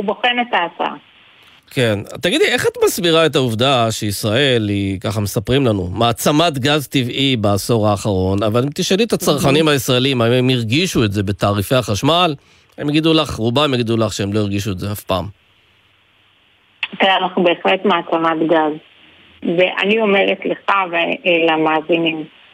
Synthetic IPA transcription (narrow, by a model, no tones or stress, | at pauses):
uboχemetaːt͡saa̰ | ke̞nat̪aɡidlie̞χat̪masbiʁaet̬auvdaʃeisʁae̞likaχame̞sapʁimlanṵmaːt͡samat̪ɡazt̪ivibaːso̞ʁaːχaʁo̞navalemt̪iʃeliet̪at͡saʁχanimhaisʁaeliimaimemiʁɡiʃue̞tze̞be̞taːʁifeaχaʃmal | emjeɡid̪ulaχʁubamjeɡid̪ulaχʃeemlo̞iʁɡiʃuetzeafpa̰ːm | teanaχnube̞ːχletmaːt͡samat̪ɡaz | veʔa̰nio̞meʁetleχaveelamaːzinim